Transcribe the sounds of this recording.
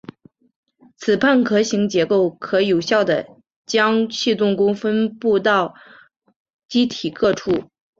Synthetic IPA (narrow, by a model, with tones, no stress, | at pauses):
t͡sʰɹ̩˨˩pʰa˥˩nkʰɤ˧˥ɕi˧˥ŋt͡ɕjɛ˧˥ko˥˩ʊkʰɤ˧˥jo˨˩ʊɕjɑ˥˩ʊd̪ə˩ | t͡ɕjɑ˥ŋt͡ɕʰi˥˧t̪ʊ˥˩ŋkʊ˥ŋfə˥npu˥˧t̪ɑ˥˩ʊ | t͡ɕi˥t̪ʰi˨˩kʰɤ˥˧ʈ͡ʂʰu˥˩